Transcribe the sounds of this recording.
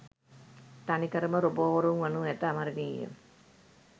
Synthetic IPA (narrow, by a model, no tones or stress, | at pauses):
t̪anikɐɾəməɾoboːʋɐɾuŋʋɐnuɛt̪aːmaɾəniːjḛm